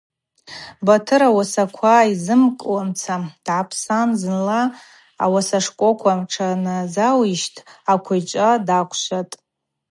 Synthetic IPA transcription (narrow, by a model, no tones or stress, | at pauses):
batʰɨɾawasakʷʰaizɨmkʼwamt͡sʰad̥ʕapʰsanzɨnla̰ː | wasaʂkʷʼokʷʰamʈ͡ʂʰanazawiʃtʰʼakʷʰajt͡ʃʷʼadakʷʰʃʷatʼ